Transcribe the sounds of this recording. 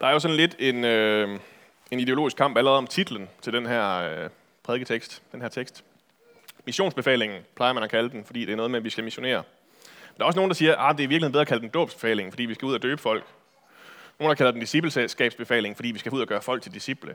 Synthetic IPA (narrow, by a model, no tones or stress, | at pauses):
d̥ɑ̈æɐjo̝sɒ̽nle̝d̥e̝nø | e̝nid̥e̝o̝lo̝ːisɡ̥kʰɑ̈m̰b̥æləʁɛð̞ˠɒ̽mt͡sʰid̥l̩ən̩t͡sʰe̝ld̥enɦæɐ̰ | pʰʁɛðˠɡ̥ət͡sʰeɡ̥sd̥d̥enɦæɐt͡sʰeɡ̥sd̥ | miɕo̝̰ːnsb̥efɛ̰ːle̝ŋn̩pʰlɑ̈ɪɐmænækʰæləd̥enfɒ̽d̥ḭːd̥e̝æɐnɔ̽ðˠmeæʋisɡ̥æmiɕo̝ne̝̰ːɐ | nd̥ɑ̈ɒ̽sno̝ːn̩d̥ɑsiːɐʔɑd̥e̝æɐiʋiɐɡlhe̝n̩beðˠɐɑkʰæld̥en̩d̥ɔ̰ːb̥sb̥e̝fɛ̰ːle̝ŋ̩fɒ̽d̥ḭːʋisɡ̥æuðˠæd̥øːb̥əfɒ̽l̰ɡ̥ | noːnd̥ɑ̈kʰælɐdend̥isib̥l̩sesɡ̥ɛ̰ːb̥sb̥e̝fɛ̰ːle̝ŋ̩fɒ̽dḭːʋisɡ̥æuð̞̰ˠɐɡ̥ɶːɐfɒ̽l̰ɡ̥̚t͡sʰe̝ld̥isib̥lə